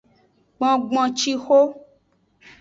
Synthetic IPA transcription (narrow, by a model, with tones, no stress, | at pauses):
ɡ͡bɔ̃˨ɡ͡bɔ̃˨t͡ʃi˦xo˦